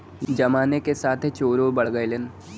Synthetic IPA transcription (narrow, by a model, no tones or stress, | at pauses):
d͡ʒɐmaːnekesaːt̪ʰt͡ʃoːɾobɐɽɡəelen